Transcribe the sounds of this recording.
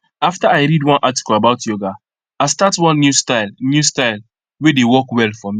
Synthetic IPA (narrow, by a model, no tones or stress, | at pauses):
aftaaɪɾidwɔ̃nʔati̥kɔlabaʊtjoɡa | astatwɔ̃nːjustaɪlnjustaɪl | wedewɔkwɛlfɔ̃mi